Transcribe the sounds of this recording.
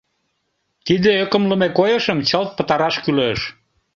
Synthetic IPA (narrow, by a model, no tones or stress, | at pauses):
t̪id̪eøkə̆mləmekojəʃəmt͡ɕəlt̪̚pə̆t̪ɑɾɑʃkyløʃ